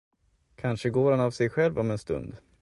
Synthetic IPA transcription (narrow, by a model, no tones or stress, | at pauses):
kʰanʂəɡoːɾanavsɛjɧɛlvɔmɛnst̪ɵ̰nd̪